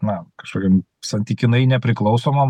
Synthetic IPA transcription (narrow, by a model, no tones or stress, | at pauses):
nɐkɐʃkoːkʲɛm | sɐnʲt̪ʲiːkʲɪnɐɪnʲɛpʲɾʲɪklˠɐʊsoːmɐ